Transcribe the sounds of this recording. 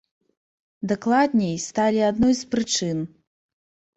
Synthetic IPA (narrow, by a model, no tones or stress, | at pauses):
d̪aklˠad̪ʲnʲɛjst̪alʲiad̪nɔjspɾɨt͡ʂɨn